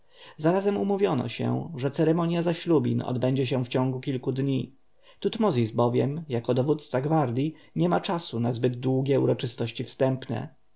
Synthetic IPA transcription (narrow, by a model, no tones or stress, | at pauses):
zaɾazɛmumuvʲjɔnɔ̰ɕɛ̰ʐɛt̪sɛɾɛmɔɲjazaɕlubʲinɔ̰d̪bɛɲd͡ʑɛɕ̬ɛ̃ft͡ɕɔ̃ŋɡukʲilkud̪ɲi | t̪ut̪mɔzʲisbɔvʲjɛmjakɔd̪ɔvut̪st̪saɡvaɾd̪ʲjiɲɛmat͡ʂasunazbɘd̪̚d̪wuɡʲjɛuɾɔt͡ʂɘst̪ɔɕt͡ɕifst̪ɛmpnɛ̰